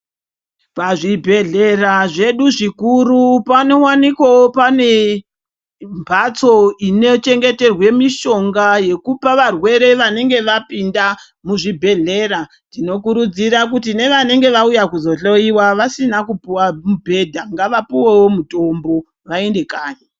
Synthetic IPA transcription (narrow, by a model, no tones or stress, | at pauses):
paʐibʱe̞ɮe̞raʐe̞ɗuʐikuɾupano̞wanikwawopane̞ | mbʱat͡so̞ino̞t͡ʃe̞ŋɡe̞te̞rwe̞miʃo̞ŋɡaje̞kupaʋarwe̞ɾe̞ʋane̞ŋɡe̞ʋapinda | muʐibʱe̞ɮe̞ɾa | tino̞kuɾud͡ziɾak̬ut̬ine̞ʋane̞ŋɡe̞ʋaujakuzo̞ɬoiwaʋasinakupuwamubʱe̞dʱaŋɡaʋapiwewomuto̞mbo̞ | ʋae̞nde̞kaːje